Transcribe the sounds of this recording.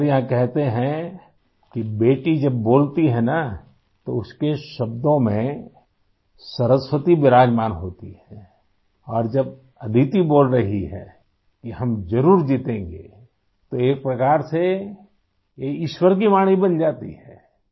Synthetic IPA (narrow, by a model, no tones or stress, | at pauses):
ɾjɐɦãkɛɦt̪eɦɛ̃ | kibeːʈid͡ʒɐbːoːlt̪iɦɛna | t̪oʊskeʃɐb̚d̪õmẽ | sɐɾəswət̪ibɪɾaːd͡ʒmaːnɦoːt̪iɦɛ̃ː | ɔːɾd͡ʒɐb̚ | ɐd̪ʱit̪iboːlɾɐɦiɦɛ̰ː | kiɦɐmzɐɾuːɾd͡ʒit̪ẽːŋɡḛ | t̪oeːk̚pɾɐkaːɾse | jeɪʃwəɾk̬imaːɽ̃ibɐnd͡ʒaːt̪ḭɦɛ̃ː